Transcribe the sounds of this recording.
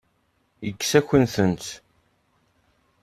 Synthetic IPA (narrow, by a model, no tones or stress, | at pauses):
jəkːsæçənθənt̪